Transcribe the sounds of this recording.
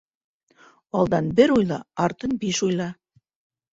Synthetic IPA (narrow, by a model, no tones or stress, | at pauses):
ɑlˠd̪ɑnbɘ̆ɾujlˠɑ̰ɑɾt̪ɤ̆nbiʃujlˠɑ